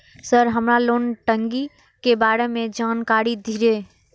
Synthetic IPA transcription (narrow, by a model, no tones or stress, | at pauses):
səɾɦəmɾaloːnʈə̃ŋɡi | kebaːɾemẽd͡ʒaːnkaːɽid̪ʱiɾeː